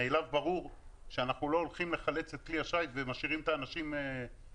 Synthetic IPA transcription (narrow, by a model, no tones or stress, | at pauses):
elavbaʁuʁʃeanaχnulo̞ːlχimle̞χale̞t͡set̪̚kliaʃajvemaʃiʁimt̪aːnaʃime